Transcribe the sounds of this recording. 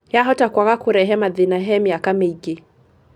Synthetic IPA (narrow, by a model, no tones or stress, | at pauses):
jaɦɔtakwaɣakʊɾɛɦɛmaðinaɦɛmiakameiɡe